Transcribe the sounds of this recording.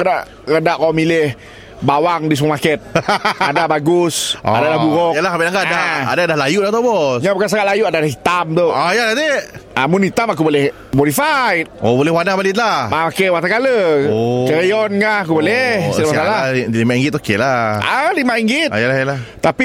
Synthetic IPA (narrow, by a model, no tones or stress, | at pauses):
kədaʔ | kədaʔkɔmilɪh | bawaŋdis̬mumakɛt̪̚adabaɡʊsa̰dalaɡuɣɔkjalahabiaŋɡadaa̰dadahlajuʔlat̪abɔsɲãpəkas̬akaʔlajuʔadadahit̪amt̪oajadat̪eamunit̪amak̬ubolɛh | moɾifajt̪̚obolɛwanabalit̪̚lamaakewat̪akaləkəɾijɔnkaakubolɛhsəlamaalalimaʔiŋɡɪt̪okelaʔalimaʔiŋɡit̪jəlahjlat̪api